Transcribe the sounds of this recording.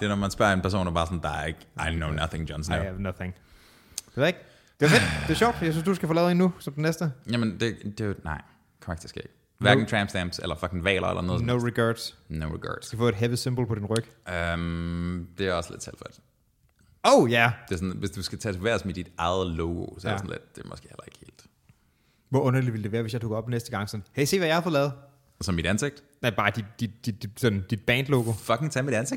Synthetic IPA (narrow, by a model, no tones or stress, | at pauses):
d̥e̝ɐnɒmænsb̥ɶɐ̰enpæɐo̰ːnæɐbɑ̈ːsɒnd̥ɑ̈ɐeɡ̥aɪnoʊnʌθɪŋdjɑnsnænʌθɪŋ | d̥eʋæeɡ̥ | d̥eɐfed̥d̥e̝ɐɕɔɒʊd̥jaɪsynsd̥usɡ̥æfɔ̽lɛʊenːusɒ̽md̥enːesd̥əjæmend̥e̝d̥e̝nɑ̈ɪ̰ | kʰɒʁeɡ̥̚d̥ʰi̥sɡ̥eeɡ̥ | ʋæɐ̥ŋ̩t͡sʰʁæmsd̥æmb̥selɐfɒkʰn̩ʋɛ̰ːlʔɐ̰ḛlʔɐ̰noð̩ˠnoʊɹiɡɑd̥snoʊʁiɡʰɑ̰ːd̥sæfɔ̰ːedɦeʋisemb̥l̩pʰɒd̥inʁœɡ̥əømd̥e̝æɐɒslḛd̥sʰɛl̰̥fɒd̥ | oʊjæd̥e̝sɔnʋe̝sd̥usɡ̥æt͡sʰɛ̰ːt͡sʰeʋæɐsmid̥id̥ɑ̈ɪð̩ˠloʊɡ̥o̝sɒ̥esɔn̩lḛd̥d̥e̝mɔɒsɡ̥e̝ːhḛlɐe̝ɡ̥əhe̝̰ːld̥ | ʋɒɔ̽nɐliʋiləd̥e̝ʋæːɐʋesjɑ̈d̥oɡ̥ɐɒ̽b̥nesd̥əɡ̥ɑ̈ŋ̰sɒ̽nheɪse̝̰ːʋæjɑhɑfɒlɛːð̩ˠ | sɒ̽mːiɾ̥ænseɡ̥̚d̥ | næb̥ɑ̈ːd̥id̥d̥id̥d̥idisɒ̽nd̥id̥̚b̥ɛnd̥loːɡ̥o̝fɒkʰeŋt͡sʰæmid̥ænseɡ̥